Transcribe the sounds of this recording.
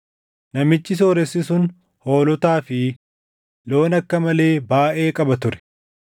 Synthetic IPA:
nɐmɪt͡ʃːɪs̬o̞ːɾɛsːɪsʊn | ho̞ːlɔt̪aːfɪ | lo̞ːnɐkːɐmɐle̞ːbaːʔe̞ːkʼɐbɐt̪ʊɾɛ̥

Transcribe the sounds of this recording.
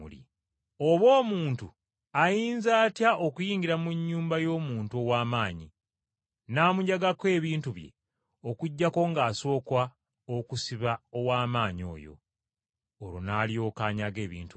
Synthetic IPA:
ṵlḭ | o̞βo̞ːmuːntu | ajiːnzaːtjaʔokujiːɲɡiɾamuɲːuːmbajo̞ːmuːntuo̞waːmaːɲi | naːmuɲaɡakwe̞ːβiːntuβje̞̰ | okuɟːako̞ŋɡaːso̞ːkwa | okusiβao̞waːmaːɲo̞̰ːjo̞̰ː | ɾunaːljo̞ːkaːɲaɡe̞ːβḭːntu

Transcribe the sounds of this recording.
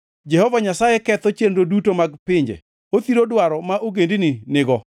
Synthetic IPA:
d͡ʒɛhɔvaɲasajɛkɛt̪ɔt͡ʃendodutomaɡpɪɲd͡ʒḛ | ot̪iɾodwaɾɔmaʔoɡendininɪɡɔ

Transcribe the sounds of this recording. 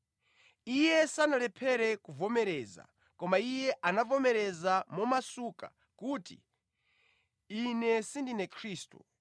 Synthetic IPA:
ijɛsanalɛpʰɛɾɛkuvɔmɛɾɛːza̰ | kɔmaijɛʔanavɔmɛɾɛzamɔmasuka | kuːtḭ | inɛsindinɛkʰɾiːstṵ

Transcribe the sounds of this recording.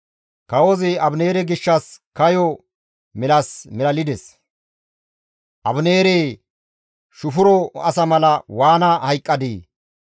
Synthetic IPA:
kɐwozɪɐbneːɾɛɡɪʃːɐskɐjɔ | mɪlɐsmɛlɐlɪd̪ɛs | ʔɐbneːɾeː | ʃʊfʊɾɔɐsɐmɐlɐwaːnɐhɐjkʼːɐd̪iː

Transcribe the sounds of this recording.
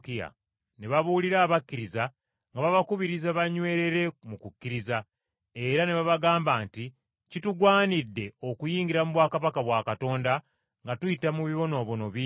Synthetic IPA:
kija̰ | ne̞βaβuːliɾaːβakːiɾiza | ŋɡaβaβakuβiɾizaβaɲwe̞ːɾe̞ɾe̞mukukːiɾiza | e̞ɾane̞βaβaɡaːmbaːnti | cituɡwaːnidːe̞o̞kujiːŋɡiɾamuβwaːkaβakaβwaːkato̞ːnda | ŋɡatujitamuβiβo̞no̞ːβono̞βi

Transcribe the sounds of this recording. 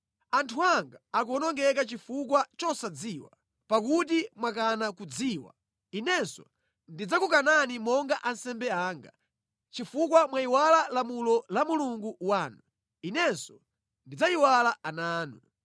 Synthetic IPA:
antʰuaŋɡaːk̬uɔnɔŋɡɛk̬at͡ʃifukwat͡ʃɔsad͡ziːwa̰ | pak̬ut̬imwakanakud͡ziːwa̰ | inɛnsɔ | ndid͡zakukananimɔŋɡaʔansɛmbɛaːŋɡa̰ | t͡ʃifuk̬wamwaiwalalamulɔlamuluŋɡuwaːnu | inɛnsɔ | ndid͡zaiwalaanaːnu

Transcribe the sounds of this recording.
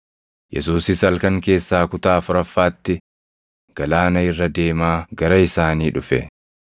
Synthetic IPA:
jʔɛ̰suːsɪsɐlkɐŋke̞ːsːaːkʊt̪aːfʊɾɐfːaːt̪ːɪ | ɡ̥ɐlaːnɐɪrːɐd̪e̞ːmaːɡɐɾɐɪsaːniːᶑʊfɛ̰

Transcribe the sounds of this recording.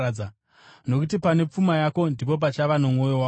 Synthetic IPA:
aa | no̞kutipane̞p͡fumajako̞ndip̬o̞p̬at͡ʃaʋanomo̞jowa

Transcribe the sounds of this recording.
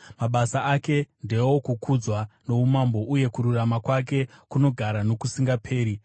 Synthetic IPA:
maɓasaake̞nde̞wo̞kukʰud͡zwano̞umambo̞ʔuje̞kuɾuramakwak̬e̞kuno̞ɡʱaɾano̞kusiŋɡapʰe̞ːɾi

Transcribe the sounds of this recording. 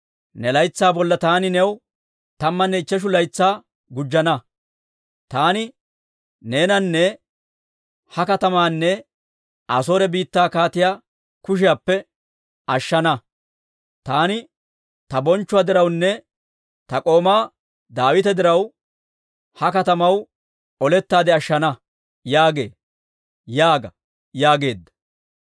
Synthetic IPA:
nɛlɐjt͡sːaːbɔlːɐt̪aːnɪnɛw | t̪ɐmːɐnːɛɪt͡ʃːɛʃ̬ʊlɐjt͡sːaː | ɡʊd͡ʒːɐnɐ | t̪aːnɪ | ne̞ːnɐnːɛ | hɐkɐt̪ɐmaːnːɛ | ɐ̰soːɾɛbiːt̪ːaːkaːt̪ɪjaː | kʊʃ̬ɪjapːɛ | ɐʃːɐnɐ | t̪aːnɪ | t̪ɐbɔnt͡ʃːʊwaːd̪ɪɾɐwnːɛ | t̪ɐkʼo̞ːmaː | d̪aːwɪt̪ɛd̪ɪɾɐw | hɐkɐt̪ɐmɐw | ɔlɛt̪ːaːd̪ɛɐʃːɐnɐ | jaːɡe̞̰ː | jaːɡɐ | jaːɡe̞ːd̪ːɐ̥

